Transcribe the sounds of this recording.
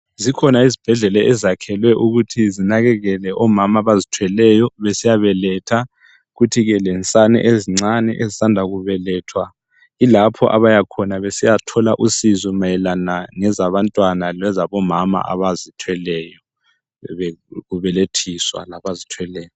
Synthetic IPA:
zikʰɔnaizib̥ʱɛɮɛlɛʔɛzakʰɛlwɛʔuɣutʰizinaɣɛɣɛlɛʔɔmamaβazitʰwɛlɛjɔβesijaβɛlɛtʰa | ɣutʰiɣɛlɛnt͡sʼanɛ̰ʔeziŋ͡ǀanɛ̰ʔezisandʱaɣuβɛlɛːtʰwa | ilapʰɔ̰ʔaβajakʰɔnaβesijatʰɔlaʔusizɔmajɛlanaŋɛzaβantʼwanalwɛzaβɔmama̰ʔa̰βazitʰwɛlɛːjɔ | βɛɣuβɛletʰiswa̰laβazitʰwɛlɛːjɔ

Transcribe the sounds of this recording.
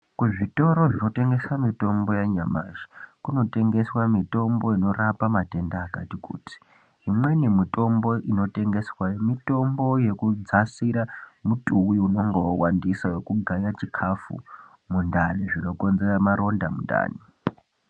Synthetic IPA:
kuʐito̞ɾoʐino̞te̞ŋɡe̞swamito̞mbo̞jaɲamaːʐi̥kuno̞te̞ŋɡe̞swamito̞mbo̞ino̞ɾapamate̞ndaːkatikṵːti̥ | ɦimwe̞nemito̞mbo̞ʔino̞te̞ŋɡe̞swajemito̞mbo̞je̞kud͡zasiɾamutʼuwiuno̞ŋɡo̞wandiswawe̞kuɡʱaɲat͡ʃikʰafṵ | mundaniʐino̞ko̞nze̞ramaɾo̞ndamunda̰ːni

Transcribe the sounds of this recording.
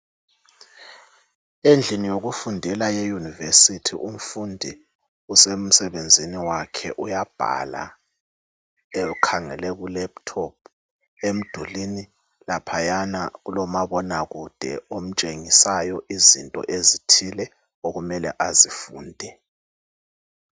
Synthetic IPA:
end͡ɮʱinijoɣufundʱɛlajɛjunivesitʰḭʔum̩fundʱi | usem̩sɛβend͡zʱiniwakʰɛ̰ʔujab̥ʱa̰la̰ | eɣukʰaŋɛ̰lɛɣulɛp̚tʰɔp̚ʰ | em̩d̥ʱulini | lapʰajana̰ɣulɔmaβɔnaɣud̥ʱɛ̰om̩t͡ʃʼeŋisajɔʔizintʼɔ̰ʔezitʰilɛ | oɣumɛlɛ̰ʔazifuːndʱɛ

